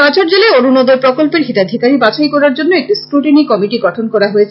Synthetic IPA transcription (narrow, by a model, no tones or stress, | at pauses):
at͡ɕoɾd͡ʑeleonunod̪oɾpɾokolpeɾɦit̪ad̪ʱikaɾibat͡ɕajkɔɾaɾd͡ʑonːoek̚ʈiskɾuʈinikɔmiʈiɡɔʈʰonkɔɾaɦoet͡ɕʰ